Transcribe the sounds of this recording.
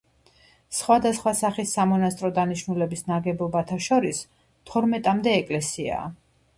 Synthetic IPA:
sχwad̪asχwasaχisːamɔnast̪ʼɾɔd̪aniʃnulɛbisnaɡɛbɔbat̪ʰaʃɔɾis | t̪ʰɔɾmɛt̪ʼamd̪ɛːkʼlɛsia̰

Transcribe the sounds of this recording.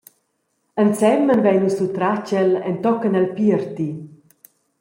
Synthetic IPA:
ənt͡sɛmːənvɛjnusut̪ɾat͡ʃəlɛ̰nt̪ɔkənalpiəɾt̪i

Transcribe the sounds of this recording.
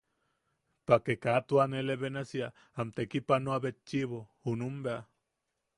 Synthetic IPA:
pakekat̪uaneleβenasia | amt̪ekipanoaβet͡ʃːiβounumbea

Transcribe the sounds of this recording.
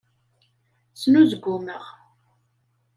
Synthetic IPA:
snuzɡʷːʊməʁ

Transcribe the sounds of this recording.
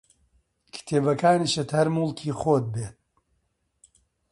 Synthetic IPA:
kʰɨ̥t̪ʰeːbɐkʰaːniːʃɨt̪hɐɾmuːlˠkʰiːχoːt̪̚beːt̪̚

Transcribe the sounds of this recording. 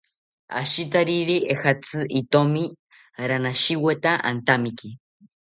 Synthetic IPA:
a̰ʃit̪aɾiɾiʔehat͡sɨʔit̪omi | ɾanaʃiwet̪aʔa̰nt̪amiki

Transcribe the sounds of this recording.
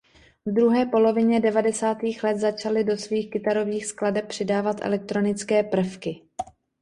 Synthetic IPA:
vd̪ɾuɦɛːpo̞lo̞vɪɲɛdɛvadɛsaːt̪iːxlɛt̪zat͡ʃalɪdo̞sviːxkɪt̪aɾo̞viːxskladɛp̚pr̝̥ɪdaːvat̪ʔɛ̰lɛk̚t̪ɾo̞nɪt͡skɛːpr̩fkɪ

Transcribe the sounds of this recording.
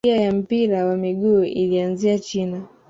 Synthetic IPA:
iajam̩piɾawamiɠuːʔilianziat͡ʃina

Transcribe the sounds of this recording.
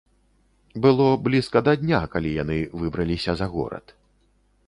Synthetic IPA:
bɨlˠɔblʲiskɐd̪ɐd̪ʲnʲakalʲijanɨvɨbɾɐlʲisʲɐzɐɣɔ̰ɾɐ̰t̪

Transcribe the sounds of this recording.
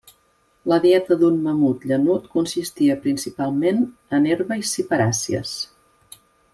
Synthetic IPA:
ləðiɛt̪əðunməmut̪ʎənut̪kunsist̪iəpɾinsipalˠmenəneɾβəisipəɾasiə̰s

